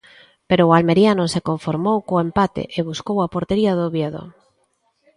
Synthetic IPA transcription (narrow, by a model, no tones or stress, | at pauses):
peɾoːalmeɾjanosekoɱfoɾmowkoempat̪ḛʔeβuskowapoɾt̪eɾiaðoβjeðo̰